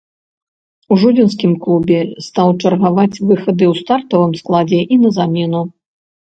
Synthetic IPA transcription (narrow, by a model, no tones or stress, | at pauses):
uʐudʲins̬kʲimklˠubʲɛst̪awt͡ʂɐrɣavat͡sʲvɨxɐd̪ɨwst̪art̪ɐvɨmsklˠad͡zʲɛʔinɐzamʲɛnu